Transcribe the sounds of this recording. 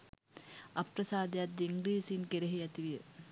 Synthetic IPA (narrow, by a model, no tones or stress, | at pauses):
apɾɐsaːd̪ejat̪̚d̪iŋɡɾiːsinkeɾeɦiæt̪iʋijə